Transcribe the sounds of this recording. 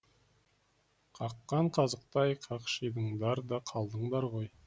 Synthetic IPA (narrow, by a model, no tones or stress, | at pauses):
qʰɑqːɑɴqʰɑzəq̚t̪ɑjqʰɑqʃəjd̪əɴd̪ɑɾd̪ɑqʰɑlˠd̪əɴd̪ɑɾʁoj